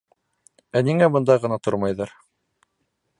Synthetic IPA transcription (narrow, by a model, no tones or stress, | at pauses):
æniŋæbɤ̆nd̪ɑʁɤ̆nɑt̪oɾmɑjðɑɾ